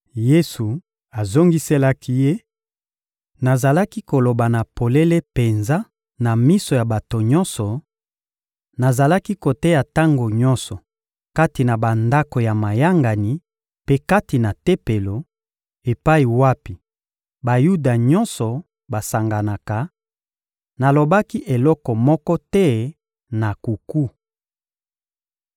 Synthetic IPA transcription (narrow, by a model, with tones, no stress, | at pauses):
je˦su˨ | a˨zo˦ŋɡi˦se˦la˦kʰi˦je˦ | na˨za˨la˦ki˦ko˨lo˨ba˨na˨po˨le˦le˦pe˨nza˦ | na˨mi˦so˨ja˨ba˨to˨ɲɔ˦nsɔ˨ | na˨za˨la˦ki˦ko˨te˦ja˨ta˦ŋɡo˨ɲɔ̃˦nsɔ˨ | ka˦ti˨na˨ba˨nda˦ko˨ja˨ma˨ja˦ŋɡa˨ni˨ | pe˦ka˦ti˨na˨te˦pe˨lo˨ | e˨pa˦i˨wa˦pi˨ | ba˨ju˦da˨ɲɔ̃˦nsɔ˨ | ba˨sa˨ŋɡa˨na˨ka˨ | na˨lo˨ba˦ki˦ʔe˨lɔ˦kɔ˨mɔ˦kɔ˦tɛ˦ | na˨ku˨ku˦